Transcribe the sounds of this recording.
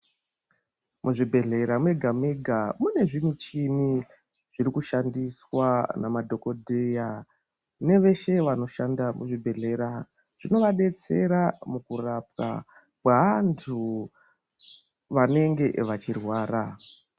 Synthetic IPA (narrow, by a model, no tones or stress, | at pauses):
muʐibʱe̞ɮe̞ɾamweɡʱamweɡʱamune̞ʐimit͡ʃini | ʐ̥iɾikuʃandiswanamadʱo̞ko̞dʱeja | ne̞ʋe̞ʃe̞ʋano̞ʃandamuʐibʱe̞ɮe̞ɾa | ʐ̥ino̞ʋaɗe̞t͡se̞̰ɾamukurap̚ka̰ | kwaʋantʰu | ʋane̞ŋɡe̞ʋat͡ʃirwaːɾa